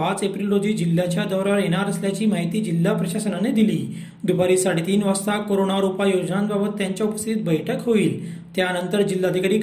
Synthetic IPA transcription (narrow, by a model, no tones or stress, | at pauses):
at͡sepɾilɾod̪ʱiːd͡ʑil̤ːjat͡ɕjad̪ɔwɾaɾjeɽ̃aɾəsljat͡ɕiːmaɦit̪iːd͡ʑil̤ːapɾəɕasənaned̪iliː | d̪upaɾiːsaɽ̤it̪iːnʋast̪ʰakoɾoñaɾupajod͡ʑnãnbabət̪ːjaɲt͡ɕjaupəst̪ʰiːt̪̚bəjʈʰəkɦoiːlt̪janənt̪əɾd͡ʑilːad̪ʱikaɾiːk